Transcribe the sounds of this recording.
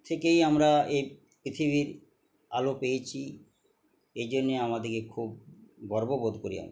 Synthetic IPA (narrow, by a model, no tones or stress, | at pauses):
t̪ʰekejamɾaej | pɾit̪ʰiβiɾ | a̰lopejet͡ɕʰi | ed͡ʑonːeamad̪eɾkekʰub̚bɔɾbobod̪koɾḭa̰m